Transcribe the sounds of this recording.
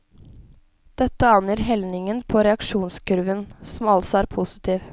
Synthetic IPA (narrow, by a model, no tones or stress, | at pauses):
d̪̥ɛt̪ːəɑnjəɾɦɛlnɪŋənpʰɔɾɛɑkʂuːnskʰʉɾʉʋənsɔmɑlsɔæːɾpʰʊsɪ̥t̪ʰiːʋ